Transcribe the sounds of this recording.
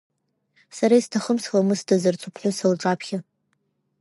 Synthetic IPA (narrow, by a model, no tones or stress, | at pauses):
saɾaistʰaχəmsχamɨstʰazart͡sʰupʰħʷʊsalʈ͡ʂʼapʰχʲa